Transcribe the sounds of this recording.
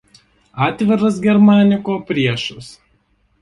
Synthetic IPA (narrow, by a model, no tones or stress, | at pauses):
ɑːt̪ʲʋʲɪɾɐs̬ɡʲɛɾmɑːnʲɪkoːpʲɾʲiɛʃʊs